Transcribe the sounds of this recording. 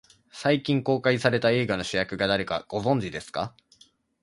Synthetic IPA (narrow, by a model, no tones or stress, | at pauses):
saikʲĩŋko̞ːkaisaɾe̞t̪ae̞ːɡano̞ɕijakɯ̟ɡad̪aɾe̞ka̰ɡ̥o̞zõ̞ɲ̟d͡ʑid̪e̞sɨ̥ka